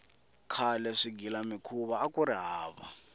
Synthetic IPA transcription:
kʰalɛʂiɡilamikʰuβaːkuɾiɦaːβa̰

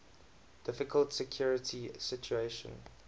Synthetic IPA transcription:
d̥ɪfɪkʰəltsɛkʰjɔɹɪtʰisɪt͡ʃueɪʃə̰̃n

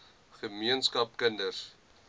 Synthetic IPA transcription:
χəmiənskɐp̚kəndər

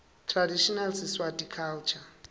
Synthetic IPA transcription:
tʰradiʃɔnalsiswadikʰalt͡ʃʰa

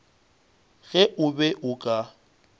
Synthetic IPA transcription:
ɣɛʔʊbɛʔʊkʼa

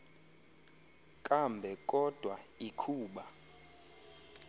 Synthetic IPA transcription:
kʼambʱɛkʼɔd̥ʱwaikʰuːɓa

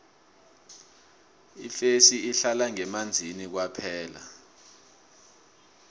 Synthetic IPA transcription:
ifesiiɬalaŋɛmand͡zʱinik̬wapʰɛːla̰

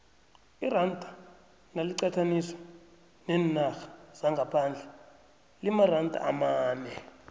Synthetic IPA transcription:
irantʼa | naliǀatʰanisɔ̥ | nɛnaxḁz̥aŋɡʱapʰand͡ɮʱɛ | limarantʼa̰a̰maːnɛ

